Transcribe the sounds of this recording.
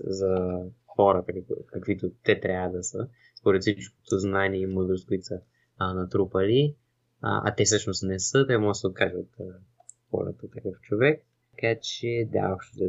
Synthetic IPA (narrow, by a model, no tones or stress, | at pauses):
zɐxɔɾɐt̪əkkɐkvit̪ot̪ɛt̪ɾʲavəd̪ɐsə | spoɾɛt̪sit͡ʃko̥t̪ʰoznaniɛimləd̪ɾost̪̚kʊit̪sə | nɐt̪ɾupɐlḭ | ʔa̰t̪ɛsɤʃnost̪nɛsət̪ɛmɔʒəsɛot̪̚kaʒəot̪ | xɔ̰ɾə̰t̪ət̪ɐkəft͡ʃovɛk̪̚ | ɐkat͡ʃɛd̪a̰opʃt̪od̪ɐ